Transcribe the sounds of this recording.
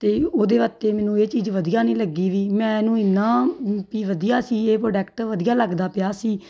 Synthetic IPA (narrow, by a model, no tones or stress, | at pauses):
t̪eːoːd̪eːʋət̪eːmɛ̃ːnũːeːt͡ʃiːzʋəd̪ijaːnĩːləɡiːʋiːmɛ̃ːnũːɪnːaːpiːʋəd̪ijaːsiːeːpɾoːɖɛːkʈʋəd̪ijaːləɡd̪aːpɪjaːsiː